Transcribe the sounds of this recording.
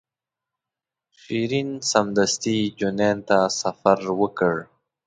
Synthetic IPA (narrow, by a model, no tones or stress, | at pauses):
ʃiɾinsamd̪ast̪id͡ʒunent̪asafaɾwəkəɽ